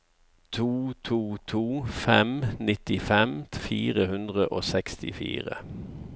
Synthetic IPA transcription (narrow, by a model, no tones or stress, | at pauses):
t̪ʰuːt̪ʰuːt̪ʰuːfɛmnɪt̪ɪfɛmfiːʁəhʉnd̪ʁəʔoːsɛkst̪ɪ̰fḭːʁə̰